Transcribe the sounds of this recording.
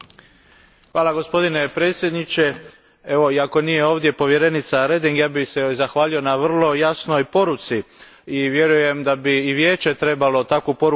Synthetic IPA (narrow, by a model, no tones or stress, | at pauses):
xʋaːlˠaɡo̞spo̞d̪ine̞pɾe̞ːt̪sjed̪nit͡ʃe̞ | e̞ʋo̞iako̞nijeo̞ːʋd̪je̞po̞ʋje̞ɾe̞nit̪saɾe̞d̪iŋɡjaːbixsezaxʋaːʎio̞naʋr̩lˠo̞jasnojpo̞ɾut̪si | iʋje̞ɾuje̞md̪abiːʋje̞ːt͡ʃe̞t̪ɾe̞balo̞t̪akupo̞ɾu